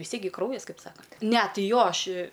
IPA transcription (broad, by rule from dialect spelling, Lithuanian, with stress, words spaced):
ʋʲɪs ˈtʲiɛk ɡʲɪ ˈkrɐʊjɛs ˈkɐɪp ˈsɑːkɐnʲtʲ ˈnʲɛ tʲɪ ˈjoː ˈɐʃ ɪ